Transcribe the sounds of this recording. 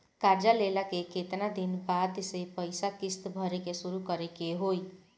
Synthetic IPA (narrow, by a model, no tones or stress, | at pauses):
kaɾd͡ʒalelakeket̪nad̪inbad̪sepəjsakist̪bʱʌɾekesuɾukʌɾekeɦoj